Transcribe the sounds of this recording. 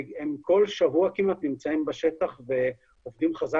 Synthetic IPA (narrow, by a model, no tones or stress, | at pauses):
emko̞lʃavuakimat̪nimt͡saimbaʃe̞t̪aχve̞ | ovd̪imχaza